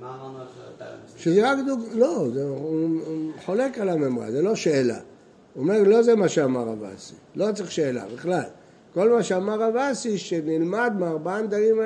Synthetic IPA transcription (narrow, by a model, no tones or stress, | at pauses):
ʃezeʁakd̪uɡlo̞zeuħo̞lekalamemʁa̰zelo̞ʃeːla̰ | ome̞ʁlo̞zemaʃeamaʁa̰va̰silo̞t͡sʁiʃe̞ːla̰biχlal | ko̞lmaʃeamaʁavasiʃenilmad̪meaʁbaand̪aʁim